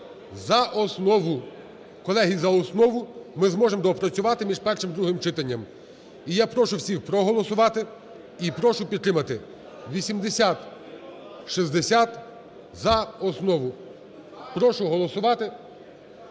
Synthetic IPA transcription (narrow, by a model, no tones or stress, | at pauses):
zɐʔɔsnɔʋʊ | kɔlˠɛɦizɐɔsnɔʋʊmɪzmɔʒemd̪ɔpɾɔt͡sʲʊʋɑt̪ɪmʲiʒpɛrʃɪmd̪ɾuɦɪmt͡ʃɪt̪ɐnʲːɐm | ijapɾɔʃʊwsʲixpɾɔɦɔlˠɔsʊʋɑt̪ɪ | ipɾɔʃʊpʲid̪t̪ːɾɪmɐt̪ɪ | ʋʲisʲimd̪esʲat̪ | ʃizd̪esʲat̪ | zɐɔsnɔʋʊ | pɾɔʃʊɦɔlˠɔsʊʋɑt̪ɪ